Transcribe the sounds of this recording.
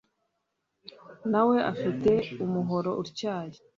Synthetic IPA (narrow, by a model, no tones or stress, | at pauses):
nawe̞ʔafite̞umuɦo̞ɾo̞ʔuɾcaːje